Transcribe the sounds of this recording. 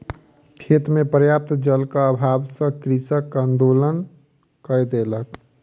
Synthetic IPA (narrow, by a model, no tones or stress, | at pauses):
kʰet̪mepɾəjap̚t̪d͡ʒəlkaəbʱabsə̃kɾisəkə̃nd̪olən | kəjd̪elək